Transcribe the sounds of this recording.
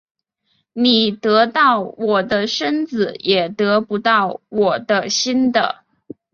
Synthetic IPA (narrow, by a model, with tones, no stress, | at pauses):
ni˨˩t̪ɤ˧˥t̪ɑ˥˩ʊwɔ˨˩d̪ə˦ʂə˥nd͡zɹ̩˨˩jɛ˨˩t̪ɤ˧˥pu˧˥t̪ɑ˥˩ʊwɔ˨˩d̪ə˦ɕi˥nd̪ə̰˨˩